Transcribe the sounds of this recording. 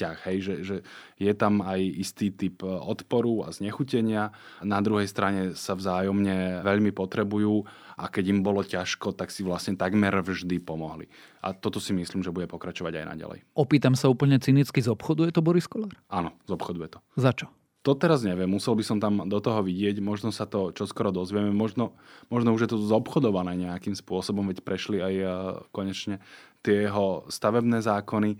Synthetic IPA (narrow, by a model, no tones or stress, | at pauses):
caxɦɛjʒɛʒɛ | jɛt̪amajist̪iːt̪ipɔt̪pɔɾua̰zɲɛxucɛɲɪa | nad̪ɾuɦɛjst̪ɾaɲɛsavzaːjɔmɲɛʋɛʎmipɔt̪ɾɛbujuː | ʔakɛɟimbɔlɔcaʃkɔt̪aksiʋlasɲɛt̪aɡmɛɾvʒd̪ipɔmɔɦlḭ | ʔa̰t̪ɔt̪ɔsimisliːmʒɛbuɟɛpɔkɾat͡ʃɔʋa̰ɟa̰jna̰ɟa̰lɛ̰jɔpiːt̪amsauːpl̩ɲɛt͡sinit͡skizɔpxɔd̪ujɛt̪ɔbɔɾiskɔlaːɾʔanɔzɔpxɔd̪ujɛt̪ɔzat͡ʃɔ̥ | t̪ɔt̪ɛɾazɲɛʋɛmːusɛlbisɔmt̪amd̪ɔt̪ɔɦɔʋiɟɪɛɟmɔʒnɔsat̪ɔt͡ʃɔskɔɾɔd̪ɔzʋɪɛmɛmɔʒnɔmɔʒnɔuʒjɛt̪ɔzɔpxɔd̪ɔʋanɛːɲɛakimspʊɔsɔbɔmʋɛcpɾɛʃliajkɔɲɛt͡ʃɲɛt̪ɪɛɦɔst̪aʋɛbnɛːzaːkɔni